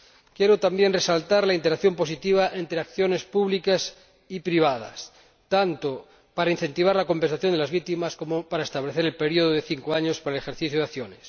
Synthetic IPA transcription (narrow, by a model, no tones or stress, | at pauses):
kjeɾot̪ambje̞nresalt̪aɾlaint̪eɾakθjo̞mpo̞sit̪iβ̞aʔe̞nt̪ɾeakθjo̞ne̞spuβlikas | ipɾiβ̞að̞a̰s | t̪ant̪o | paɾainθe̞nt̪iβaɾlako̞mpe̞nsaθjo̞nd̪elazβ̞ik̚t̪imasko̞mopaɾaest̪aβleθeɾe̞lpe̞ɾioð̞oðeθiŋkoaɲospaɾaelexeɾθiθjoð̞aθjones